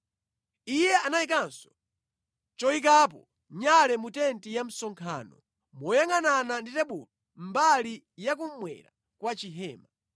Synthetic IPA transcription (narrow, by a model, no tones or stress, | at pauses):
ijɛanaikansɔ̥ | t͡ʃɔik̬aːpɔ | ɲalɛmutɛntijam̩sɔŋkʰa̰ːnɔ | mɔjaŋanananditɛɓulɔ | mbali | jak̬um̩mwɛ̰ɾa̰ | kwat͡ʃiɦɛːma